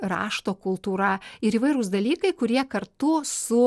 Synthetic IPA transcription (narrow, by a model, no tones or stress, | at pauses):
rɑ̰ːʃt̪oːkʊlˠt̪uːɾɐɪɾiːʋɐɪɾʊsd̪ɐlʲiːkɐɪkʊɾʲiɛkɐrt̪ʊsʊ